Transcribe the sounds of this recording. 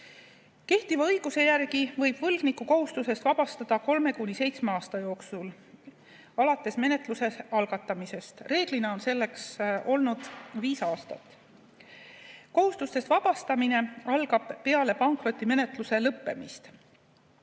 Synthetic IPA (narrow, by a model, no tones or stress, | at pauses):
ke̞ht̪ivɑɤjɡ̥use̞jærɡ̥ivɤjb̥vɤlɡ̥nikːˑuko̞ɦust̪use̞st̪vɑb̥ɑst̪ɑd̪̥ɑko̞lme̞kunʲise̞jt̪sme̞ɑːst̪ɑjo̞ːksul | ɑlɑt̪ːˑe̞sme̞ne̞t̪ˑluse̞ɑlɡ̥ɑt̪ˑːɑmise̞st̪re̞ːɡ̥lineo̞nse̞lːe̞kso̞lnud̪̥viːsɑːst̪ɑ̰t̪ːˑ | ko̞ɦust̪ust̪e̞st̪vɑb̥ɑst̪ɑmine̞ɑlɡɑb̥ːe̞ɑle̞pɑŋkro̞t̪ˑːime̞ne̞t̪ˑluse̞lɤpːe̞̰mist̪